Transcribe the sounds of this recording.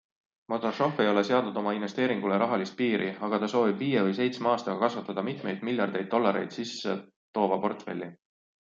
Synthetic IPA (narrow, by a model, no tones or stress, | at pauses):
mot̪oʃo̞fe̞jo̞le̞se̞ɑd̪ud̪̥o̞mɑinve̞st̪e̞ːɾiŋɡ̥uleɾɑɦɑlist̪̚piːɾʔiɑɡ̥ɑt̪ɑso̞ːvibviːjevɤjs̬e̞jt̪smɑːst̪ɑɡɑkɑsvɑt̪ːˑɑd̪̥ɑmit̪me̞jd̪̥milʲjɑrd̪e̞jd̪̚ːo̞lːɑɾe̞jd̪̥sisːe̞ | t̪o̞ːvɑpo̞rt̪fe̞̰lʲːi